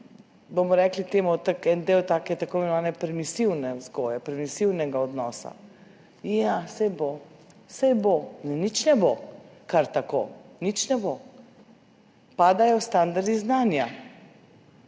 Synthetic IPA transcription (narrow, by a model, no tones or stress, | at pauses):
bomɔɾɛklit̪eːmut̪akɛnd̪eːwt̪aːkɛt̪akoimɛnɔʋaːnɛpɾɛmisiwnɛzɡoːjɛpɾɛmisiwnɛɡaɔd̪nɔːsa̰ | jasɛjbo | sɛjbonɛnit͡ʃnɛbokaɾt̪akonit͡ʃnɛbo | paːd̪ajɔst̪and̪aɾd̪iznaːnja